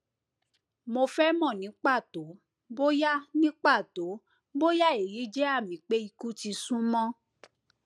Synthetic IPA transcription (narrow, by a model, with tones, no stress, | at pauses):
mo˧fɛ˦mɔ̃˦˨nĩ˨˦k͡pa˦˨to˨˦ | bo˦ja˦nĩ˦k͡pa˦˨to˨˦ | bo˦ja˦˨e˨ji˨˦d͡ʒɛ˦a˦˨mĩ˨˦k͡pe˦i˧ku˦ti˧sũ˦mɔ̃˦